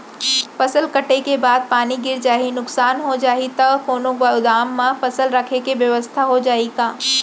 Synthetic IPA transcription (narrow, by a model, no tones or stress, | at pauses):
fɐsəlkɐʈekebaːd̪̚paːniɡɪɾd͡ʒaːɦinʊksaːnɦod͡ʒaːɦit̪ɐkoːnoɡʊd̪aːmːãfɐsəlɾɐkʰekeʋjɐʋəst̪ʰaɦod͡ʒaːiɡaː